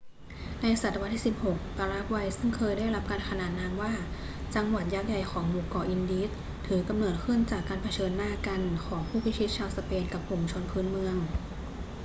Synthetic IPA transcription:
na˧jsa˨˩t̪ːwa˧t̪ʰːiː˥˩si˨˩p̚ho˨˩k̚p̪a˧ɾa˦˥k̚wa˧jsɯ˥˩ŋkʰɤː˧jdaː˥˩jɾa˦˥p̚kaː˧nkʰa˧naː˨˩t̪̚naː˧mwaː˥˩ | t͡ɕa˧ŋwa˨˩t̪̚jaː˦˥k̚ja˨˩jxʰɔː˩˦ŋmuː˨˩kɔː˧ʔi˧ndi˧˦˥t̪ | t̪ʰɯː˩˦ka˧mnoː˨˩t̪̚kʰɯ˥˩ənt͡ɕaː˨˩kːaː˧npʰa˧t͡ɕʰɤː˧nːaː˥˩ka˧nkʰɔː˩˦ŋpʰuː˥˩pʰi˦˥t͡ɕʰi˦˥t̪̚t͡ɕʰaː˧wsa˧peː˧nka˨˩p̚ku˨˩mt͡ɕʰo˧npʰɯː˦˥nmɯ˧əŋ

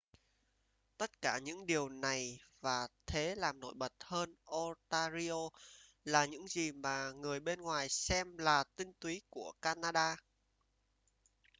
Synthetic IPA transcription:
t̪ə˦˥t̚kaː˧˩ɲɨ̰˧˥ŋɗi˨˩əwna˨˩jvaː˨˩t̪ʰe˨˦laː˨˩mno̰˧˥jɓə˨˩t̚həː˧nʔɔ˧t̪aː˧zi˧o˧ | laː˨˩ɲɨ̰˧˥ŋzi˨˩maː˨˩ŋɨ˨˩əjɓe˧nŋwaː˨˩jsɛ˧mlaː˨˩t̪ï˧ŋt̪wi˨˦ku˧˩əkaː˧naː˧ɗaː˧

